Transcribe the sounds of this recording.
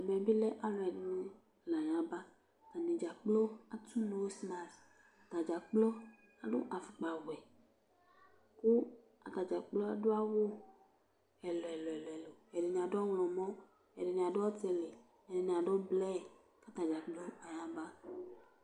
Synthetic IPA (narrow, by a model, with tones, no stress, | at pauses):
m˨ɛ̃˨be˦lɛ˦ʔa˨lo˨ɛ˨n˦nũ˦ | la˨jã˨ba˦˨ | t̪a˨nẽ˨d͡ʒa˨k͡plo˦a˨tu˦nõ˨wo˦sna˨ɾ | a˨t̪a˨d͡ʒa˨k͡plo˦ | a˨ɖo̰˦ʔa˨fu˨k͡pa˨wɛ˨ | ku˦ | a̰˨t̪a˨d͡ʒa˨k͡plo˦a˨do˦a˦wo˦ | ɛ˨lɔ˨ɛ˨lɔ˨ɛ˨lɔ˨ɛ˨lo˨e˨ɖe˨nĩ˨a˨do˦ɔ˦wlɔ̃˨mɔ̃˦ | e˨de˨ɲi˨a˨do˦ɔ˦t̪e˨le˨ | e˨de˨nĩ˨a˨ɖo˦blɛ˦˨ | ka˦t̪a˨d͡ʒa˨k͡plo˦a˨jã˨ba˦